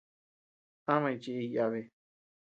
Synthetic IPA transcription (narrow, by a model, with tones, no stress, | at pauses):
hã˦mã˧ĩ˧t͡ʃi˧i˧ja˧βe˧